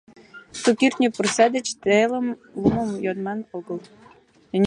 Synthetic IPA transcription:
sukirt̪nʲipə̆rsæd̪ə̆t͡ɕt̪elə̆mlumə̆mjonmɑnoɡɤ̆lˠ | nʲ

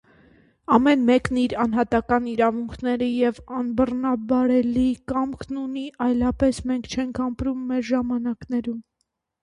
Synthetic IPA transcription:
ɑmɛnmɛkniɾɑnɦɑt̪ɑkɑniɾɑvuŋkʰnɛɾəjɛvɑnbərnɑbɑɾɛlikɑmkʰnuniʔɑjlɑpɛsmɛŋkʰt͡ʃʰɛŋkʰɑmpɾumːɛɾʒɑmɑnɑknɛɾum

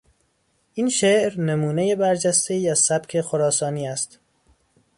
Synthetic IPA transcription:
ʔinʃeʔɾnemuːne̞jebæɾd͡ʒæst̪e̞iːæzsæb̥cʰe̞xoɾɒːsɒːniːæst̪

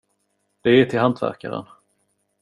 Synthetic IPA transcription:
d̪̥ɛːʈʰɪlɦant̪væ̰ɾkaɾə̰n

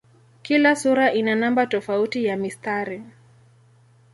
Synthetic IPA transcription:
kilasuɾaʔinanambatɔfautijamistaɾi

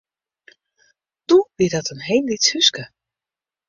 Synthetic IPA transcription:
tuʋɪdɔtənɦejllithyskə

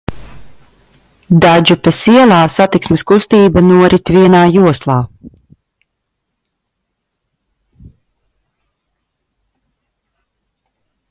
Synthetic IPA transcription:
d̪ad͡ʒupɛsiɛlˠaːsat̪iksmɛskust̪iːbanuɔɾit̪ʲviɛnaːjuɔslˠaː

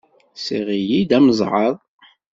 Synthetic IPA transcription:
siʁijid̪æməzˤʕəðˤ

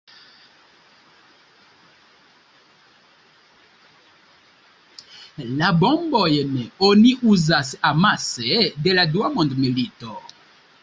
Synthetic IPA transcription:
labɔmbɔjɛnɛoniʔuzasɛamasɛdeladwamɔ̃ndmelitɔ

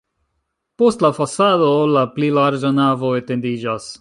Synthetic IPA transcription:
po̞stlafasadolaplilaɾd͡ʒanavo̞e̞te̞ndid͡ʒas

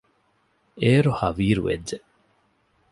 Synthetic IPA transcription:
eːɾohɐʋiːɾṵʋḛdd͡ʒe

